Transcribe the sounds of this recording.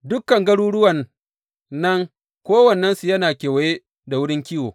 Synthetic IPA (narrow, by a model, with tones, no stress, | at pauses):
dʊ˦kːɐ˨ŋɡɐ˦ɽuː˦ɽʊ˦wɐ˨nː | ɐ˦ŋ | kʷoː˦wɐ˨nːɛ˦nsu˨jɐ˦naː˨kʲeː˨wɐ˨je˦ | da˨wʊ˦ɽɪ˦ŋkʲiː˦woː˨